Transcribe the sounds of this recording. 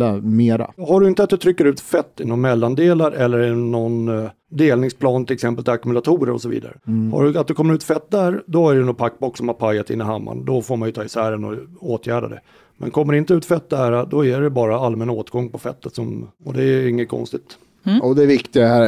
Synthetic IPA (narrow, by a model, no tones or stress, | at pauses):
ameːɾa̰haɖɵɪnt̪əat̪d̪ɵt̪ʰɾʏkːəɾʉ̟ːt̪fɛt̪ːɪnɔnmɛlːand̪eːlaɾʔɛlːəɾɪnɔn | d̪eːlnɪŋspʰlɑːnt̪ʰɪlɛksɛmpəlt̪ʰɪakɵmɵlat̪ʰuːɾə̰ɾɔ̰sɔvḭːd̪a̰ɾə̰ha̰ɖɵat̪̚d̪ɵkʰɔmːəɾʉ̟ːt̪fɛt̪̚ːd̪æːɾd̪ɔæɖɛnɔpʰakːbɔkːsɔmhaɾpʰajat̪ɪ̰nːɪɦamːa̰nd̪ɔfoːɾmanjɵt̪ʰɑːɪsæːɾənɔ̰oːt̪ʰjæːɖa̰d̪ɛ̰ | mɛ̰nkʰɔmːəɾɪnt̪əʉ̟ːt̪fɛt̪̚ːd̪æːɾad̪ɔæɖɛbɑːɾaalːmɛnːaoːt̪ɡɔŋːpʰɔfɛ̰t̪ːət̪sɔmɔd̪ɛæɪŋːət̪̚kʰɔ̰nst̪ɪt̪ | ɔd̪ɛːvɪkt̪ɪaæ